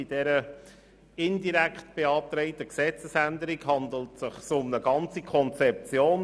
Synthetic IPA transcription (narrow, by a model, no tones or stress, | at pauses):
id̥ɛɾə | ɪndiɾækχtb̥eɑːp̚t̪ɾɛɪtəksɛt͡səsændəɾikɦɑndl̩tsəχsʊmnəɡɑnt͡sikʰɔnt͡sɛp̚t͡sjoːn